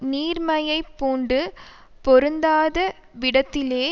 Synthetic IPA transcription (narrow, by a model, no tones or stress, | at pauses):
niːɾmɐjɐɪpːuːɳɖɯ | pɔɾɯnd̪aːðɐ | ʋɪɽɐt̪ːɪleː